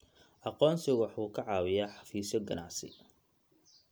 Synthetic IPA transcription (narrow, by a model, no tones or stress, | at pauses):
ʔɑqɔːnsɪwɑħuːkʰɐʕɑːwɪjaːħɑ̥fiːsɔɡɐnɑ̰ʕsɪ̰